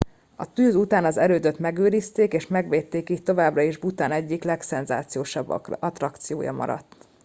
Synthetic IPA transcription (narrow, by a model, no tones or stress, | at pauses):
ɒt̪yːzut̪aːnɒzɛɾøːd̪øt̪mɛɡøːɾist̪eːkeːʃmɛɡʋeːt̪ːeːkiːct̪o̞vaːbrɒiʒbut̪aːnɛɟːiklɛksɛnzaːt̪sijoːʃɒbːɒt̪rɒkt̪sijo̰ːjɒ̰mɒ̰ɾɒ̰t̪ː